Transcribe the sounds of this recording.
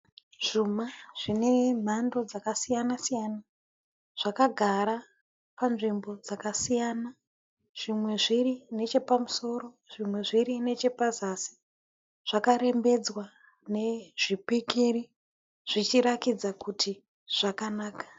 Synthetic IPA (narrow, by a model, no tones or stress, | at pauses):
ʐ̥umaʐ̥ine̞m̤ando̞d͡zakasijanasijana | ʐ̥akaɡʱaɾa | panʐimbo̞d͡zakasijana | ʐ̥imwe̞ʐirine̞t͡ʃe̞pamuso̞ro̞ | ʐimwe̞ʐiɾine̞t͡ʃe̞pazasi̥ | ʐ̥akaɾe̞mbe̞d͡zwa | ne̞ʐ̥ipikiri | ʐ̥it͡ʃiɾakid͡zakutʰi | ʐ̥akanaːkḁ